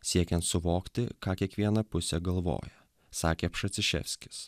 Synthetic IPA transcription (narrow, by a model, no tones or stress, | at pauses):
sʲiɛkʲɛnt̪sʊʋoːkt̪ʲɪkɑːkʲiɛkʋʲiɛnɐpʊsʲɛɡɐlˠʋo̰ːjɛ | sɑːkʲeːpʃɐt̪sʲɪʃʲɛ̰fʲsʲkʲɪ̥s